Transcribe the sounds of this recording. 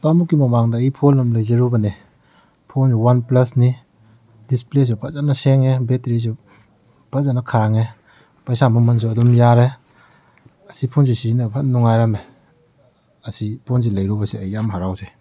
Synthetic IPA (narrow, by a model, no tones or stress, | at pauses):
tamukːimɐmaŋdaijpʰolːɐmlɐjzeɾubɐne | pʰonsuwanplɐsni | disples̬upʰazanaseŋebetɾis̬u | pʰazanːakʰaŋe | pɐjsamɐmɐns̬uɐdɔmjaɾe | ɐsipʰons̬isinɐpʰannːuŋajɾame | ɐsipʰons̬ilɐjɾubɐseɐjːamɦaɾawze